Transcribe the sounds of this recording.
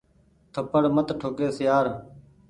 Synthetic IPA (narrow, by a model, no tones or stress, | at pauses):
t̪ʰəpəɽmət̪ʈʰoːkeːsɪjaːɾ